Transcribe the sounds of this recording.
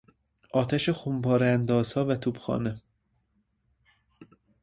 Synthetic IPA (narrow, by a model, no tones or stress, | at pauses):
ʔɒːt̪ʰæʃexumpɒːɾænd̪ɒːz̥hɒːvæt̪ʰuːbxɒ̰ːne